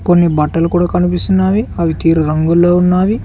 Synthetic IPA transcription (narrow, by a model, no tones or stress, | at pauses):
konːibɐʈːɐlukuːɽaːkɐnipist̪unːaːʋiɐʋit̪iːɾuɾɐŋɡulːoːunːaːʋi